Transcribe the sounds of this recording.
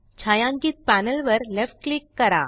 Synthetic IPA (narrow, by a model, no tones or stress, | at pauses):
t͡ɕʰajãŋkiːt̪̚pænəlʋəɾlefʈ̚klikːəɾa̰